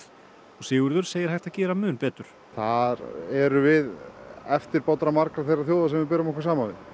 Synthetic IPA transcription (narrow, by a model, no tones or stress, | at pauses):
ɔsɪːɣʏɾðʏɾ̥seːjɪɾ̥ajht̪acɛːɾamʏːnpɛːt̪ʏɾ̥ | θaɾɛɾʏvɪðɛft̪ɪɾpawt̪ɾamaɾkɾaθejrːaθjoːwðasɛmvɪpɪːɾaɔmɔkaɾsaːmavɪð